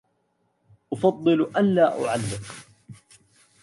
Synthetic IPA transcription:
ʔʊfɑd̪ˤːɨlʔanlaːʔʊ̰ʕalːɪm

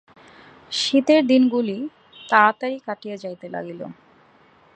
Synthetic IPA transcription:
ʃit̪eɾd̪inɡuli | t̪at̪aɾikaʈijed͡ʑajt̪ela̰ɡilo̰

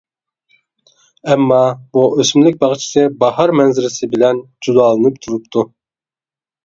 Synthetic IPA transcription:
ɛmːɑbuøsmlɪk̚ʲbɑχt͡ʃʰi̥sɨbɑhɑɾmɛnzɪɾɪsɪbɪlɛnd͡ʒud̪ɑːlˠɨnɨpt̪ʰuɾupt̪ʰu

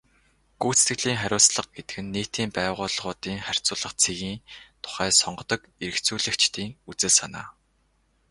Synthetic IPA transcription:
ɡ̥uːt͡st̪ɡɘ̆ɮiːŋχæɾʲʊːsɮə̆q̚ɡet̪ɘ̆kɘ̆nːeːt̪iːmpæːʁʊːɮʁʊːt̪iːŋχær̥ʲt͡sʊːɮə̆χt͡sʰeɣiːnt̪ʰʊ̥χæːsɔɴɢɞ̆t̪ɞ̆keɾɘ̆kt͡suːɮɘ̆kt͡ɕt̪iːŋut͡sɘ̆ɮsana̰ː

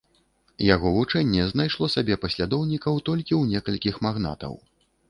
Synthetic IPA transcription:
jaɣɔvut͡ʂɛnʲːɛzn̪ajʂlˠɔsabʲɛpɐsʲlʲad̪ɔwnʲikɐwt̪ɔlʲkʲiwnʲɛkɐlʲkʲixmaɣna̰t̪ɐ̰w

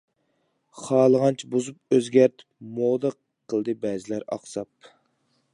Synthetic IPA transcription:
χɑːlˠəʁɑnt͡ʃʰibozup̚øzɡʲæɾt̪ʰɪ̥pmoːd̪əqʰː | əlˠd̪ɨbɛːzɪlæɾɑ̰χsɑp̚

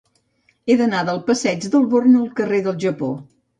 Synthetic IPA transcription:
eðənaðəlˠpəsɛd͡ʒd̪əlˠβornuəlˠkəreðəlˠʒəpo

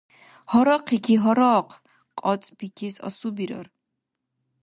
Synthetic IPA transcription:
hɔɾɔqʰikʰiɦɔɾɔqʰ | qʼɔt͡sʼbikʰisɔ̰subiɾɔ̰ɾ

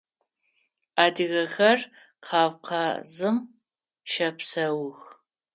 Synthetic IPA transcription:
aːdɨɣɐxɐr | qʰɑːvqʰɐzɨm | ʃɐpsɐwʊx

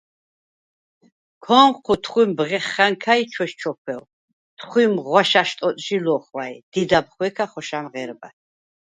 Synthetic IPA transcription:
kʰɔmqʰut̪ʰχwimbʁɛχːaŋkʰajt͡ʃʰwɛʃt͡ʃʰɔkʰwɛw | t̪ʰχwimʁwaʃaʃt̪ʼɔt̪ʼʒilɔχwajd̪̥id̪apχwɛkʰaχɔʃamʁɛɾba̰

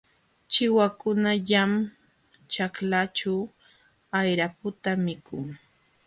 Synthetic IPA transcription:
t͡ʃɪwakʊnaʎam | t͡ʃaklat͡ʃaw | ajɾapʊt̪amɪkʊŋ

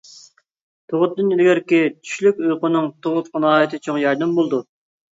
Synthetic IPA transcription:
t̪ʰoʁʊt̪̚d̪ːɨnilɡʲɪɾkʲit͡ʃʰy̥ʃlykʲøjqʊnɨŋt̪ʰoʁʊt̪χənɑːjt̪ʰɨt͡ʃʰoŋjɑɾd̪ɨmbolˠd̪u

